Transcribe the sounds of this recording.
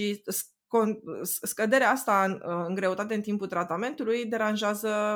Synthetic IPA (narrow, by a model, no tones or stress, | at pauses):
is | konskəd̪e̞ɾeaast̪anɨŋɡɾe̞ut̪at̪e̞ɨnt̪impult̪ɾat̪ame̞nt̪ulujd̪e̞ɾanʒeazə